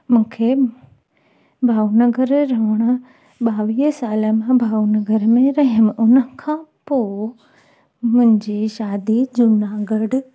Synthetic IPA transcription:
mũːkʰe | bʱaːunəɡəɾːɐʋəɽ̃ | ɓaːʋiːsaːləmãbʱaːunɐɡəɾmẽɾɐɦəmʔʊnə̆kʰãːpo | mʊ̃ɦɪ̃ɲd͡ʑiʃaːd̪id͡ʑʊnaɡəɽ

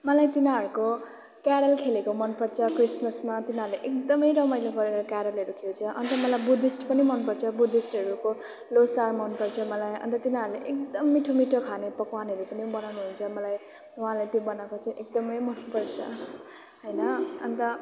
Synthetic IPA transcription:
mʌlajt̪inaɦʌɾuko | kjaɾʌlkʰelekomʌnpʌɽt͡sʰʌkrismʌsmat̪inaɾuleʔek̚d̪ʌmʌjɾʌmʌjleɡʌɾeɾʌkaɾʌlɦʌɾukʰelt͡sʰʌʔʌ̰nt̪ʌmʌlajbud̪isʈpʌnimʌnpʌɽt͡sʰʌbud̪isʈɦʌɾuko | losarmʌnpʌrt͡sʰʌmʌlajʌ̰nt̪ʌt̪inaɾuleʔek̚d̪ʌmːiʈʰomiʈʰokʰanepʌkwanɦʌɾupʌnibʌnawnuɦunt͡sʰʌmʌlaj | ɦãlet̪jobʌnakot͡saĩʔek̚d̪ʌmʌjmʌnpʌɽt͡sʰʌ̰ | ɦʌjnʌʌnt̪ʌ

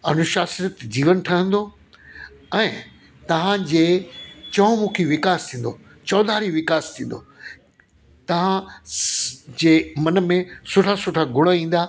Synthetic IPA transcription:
ɐnʊʃaːsɾət̪d͡ʑiːʋənʈʰɐɦə̃nd̪oː | ɛ̃ː | t̪ɐʋ̤ãd͡ʑeːt͡ɕɐ̃ːmũːkʰiʋɪkaːst̪ʰĩːn̆d̪o | t͡ɕɔːd̪ʱaːɾiʋɪkaːst̪ʰĩːn̆d̪o | t̪ɐʋ̤ã | d͡ʑeːmɐnəmẽsʊʈʰasʊʈʰaɡʱʊɽ̃aĩːn̆d̪aː

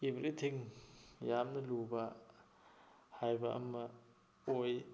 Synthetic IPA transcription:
ibɐɾitʰiŋjamnɐluba | hajbaʔɐ̰mːɐ | oj

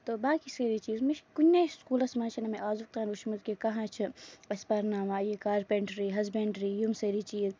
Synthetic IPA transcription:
t̪oːbaːkiseɾit͡ʃiːzmiʃkunʲːeskuːlɐsmãːnt͡ʃʰɐnɐmeʔaːzuk̚t̪aːnɾuʃmud̪kekɐɦãːt͡ʃʰɐʋɐspɐɾnaːmaːjikaːɾpeɳʈɾiːɦɐzbeɳʈɾiːjumseːɾit͡ʃiːz

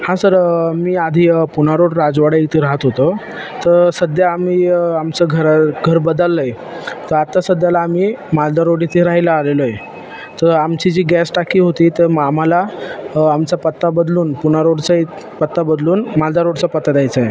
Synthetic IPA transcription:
hãsəɾmiːad̪ʱiːpunaɾoɽɾad͡zʋaɽaikt̪ʰeɾaɦət̪ɦot̪ə | t̪əɾsəd̪jaːmiːamt͡səɡʱəɾɡʱəɾbəd̪əlːəj | t̪əɾat̪ːasəd̪jalaːmiːmald̪aɾoɽit̪ʰeɾaɦilaaleloje | t̪əɾamt͡ɕid͡ʑiːɡɛsʈakʰiːɦot̪iːt̪əɾmamalaamt͡sapət̪ːabəd̪luːnpunaɾoɽt͡sə | pət̪ːabəd̪luːnmald̪aɾoɽt͡səpət̪ːad̪jajt͡səje

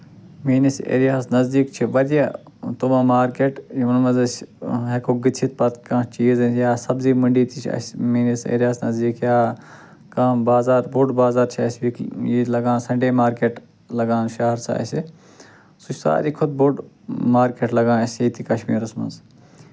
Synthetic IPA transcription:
miːnisḛːɾijaːsnɐzd̪iːkt͡ʃʰiʋɐɾija | t̪omãːmaːɾkeːʈjiʋɐnmɐzɐsɦekʰoɡit̪ʰit̪̚pɐt̪kãːt͡ʃiːzɐnjaːsɐbziːmɐɳɖiːt̪it͡ʃʰɐ̰smiːnisḛːɾʲijaːsnɐzd̪iːkjaː | kãːbaːzaːɾbuɖbaːzaːɾt͡ʃʰiɐsʲʋiːkjiːlɐɡãːnsɐ̃ɳɖeːmaːɾkeːʈ | lɐɡãːnʃɐɦɐɾsa̰ːsʲe | sut͡ʃʰsa̰ːɾiːkʰʊt̪̚buɖ | maːɾkeːʈlɐɡãːnɐsʲiːt̪ʰikɐʃmiːɾɐsmɐ̰nz

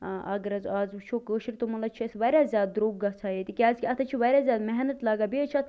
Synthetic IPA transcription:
ʔɐ̰ɡəɾɐzaːzut͡ʃʰoːkəːʃiɾʲt̪omɐlɐt͡ʃʰiɐsʋɐɾʲaːzʲjaːd̪̚ːɾoːɡːɐt͡sʰaːjeːt̪ikʲaːzkʲiɐt̪ʰɐt͡ʃʰiʋɐɾʲaːzʲjaːd̪mɛɦnɐt̪laːɡaːbeːt͡ʃʰɐt̪ʰ

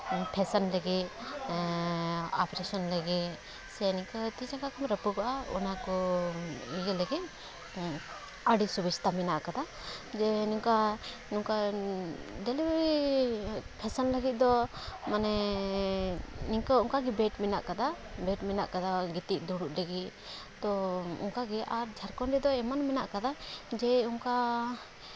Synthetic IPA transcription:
pʰɛsənləɡit̪̚ | apɾesɔnləɡit̪̚ | sɛniŋkɔt̪id͡ʒaŋkakʰɔmɾəpuɡaʔaṵnakɔ | ijələɡit̪̚ | əɖisubid͡ʒt̪ʰaminaʔkad̪a | d͡ʒɛnuŋka | nuŋka | ɖɛlibɛi | pʰɛsənləɡit̪̚ˀd̪ɔmanɛ | niŋkauŋkaɡɛbɛʈmɛna̰ʔkad̪a | bɛʈmɛna̰ʔkad̪aɡit̪iʔ̚ˀd̪uɽuʔləɡit | t̪ɔṵŋkaɡɛʔaɾd͡ʒʱaɾkɔnɾɛd̪ɔɛmanmɛnaʔkad̪ad͡ʒɛuŋka

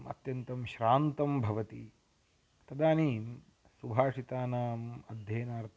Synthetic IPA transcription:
ɐ̰t̪jɐnt̪ɐmʃɾaːnt̪ɐmbʱɐʋɐt̪i | t̪ɐd̪aːniːm | subʱaːʂit̪aːnaːmɐd̪ʱjeːnaːɾt̪ʰ

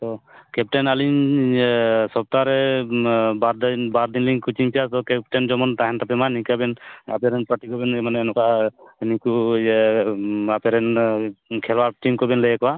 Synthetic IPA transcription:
t̪ɔkɛp̚ʈɛnaliɲ | sɔb̚t̪aɾɛ | baɾdbaɾd̪inliŋkut͡ʃiŋpijat̪ɔkɛp̚ʈɛnd͡ʒɔmɔntaɦɛntapɛmanikabɛna̰pɛɾɛnpaʈikɔbɛnmanɛnɔkaniku | apɛɾɛn | kʰɛlwaɾʈimkɔbɛnlejɛkɔba

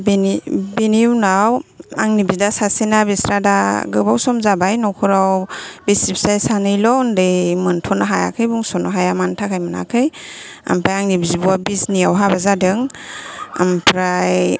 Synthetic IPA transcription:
binbiniwnawaŋnibidasasinabisɾada̰ɡɯbawsɔmzabajnɔkʰɔɾawbisipsajsanɯjlɔndɯjmɯntʰɔnaɦaja̰kʰɯjbuŋsɔnaɦajamantʰakʰajmɯna̰kʰɯj | a̰mpʰajaŋnibizibuabisniawɦabazadɯŋ | a̰mpʰɾaj

